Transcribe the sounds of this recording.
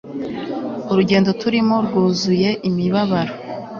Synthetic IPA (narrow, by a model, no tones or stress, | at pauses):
uɾuɟe̞ːndo̞tʰuɾimo̞ɾɡuːzuje̞ʔimiβaβaɾo